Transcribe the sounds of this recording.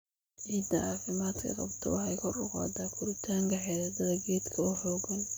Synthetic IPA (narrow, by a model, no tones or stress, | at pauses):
ʕiːd̪ɐʕɑːfɪmaːd̪kʰɐ̰qɑ̰bt̪ʰɔ̰wɑħɑjkʰɔrʊqɑ̰ːd̪aːkʰʊɾɪt̪ʰaːŋkʰɐħɛðɐd̪ɐðɐɡɛːd̪kʰɐʊħɔːɡɐn